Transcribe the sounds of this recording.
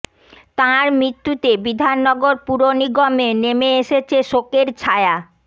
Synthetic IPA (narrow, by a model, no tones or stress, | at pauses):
t̪ãɾmɾit̪ːut̪ebid̪ʱanːɔɡoɾpuɾoniɡomenemeeʃet͡ɕʰeʃokeɾt͡ɕʰaea